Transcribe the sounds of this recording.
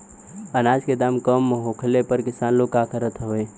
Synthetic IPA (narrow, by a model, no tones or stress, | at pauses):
ənaːd͡ʒked̪aːmkəmːɦokʰəlepəɾkɪsaːnloːɡ̚kaːkʰəɾət̪ʰɦooeː